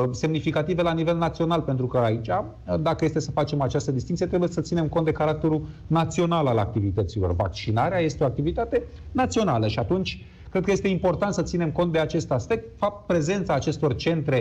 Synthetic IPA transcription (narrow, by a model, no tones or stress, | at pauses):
se̞mnifikat̪ive̞lanive̞lnat̪sio̞nalpe̞nt̪ɾukəait͡ʃa | d̪akəje̞st̪esəfat͡ʃe̞mat͡ʃast̪əd̪ist̪iŋk̪t̪ijt̪ɾebuje̞sət̪sine̞mkont̪d̪e̞kaɾak̚t̪e̞ɾunat̪sio̞nalala̰k̚t̪ivit̪ət̪silorva̰k̚t͡ʃinaɾeaje̞st̪eoakt̪ivit̪at̪e̞ | nat̪sio̞naləʃiat̪unt͡ʃʲ | kɾed̪kəjest̪e̞impo̞rt̪ant̪sət̪sine̞mko̞nt̪̚d̪e̞at͡ʃe̞st̪aspe̞k̚t̪fap̚t̪̚pɾe̞ze̞nt̪saːt͡ʃe̞st̪o̞rt͡ʃe̞nt̪ɾe̞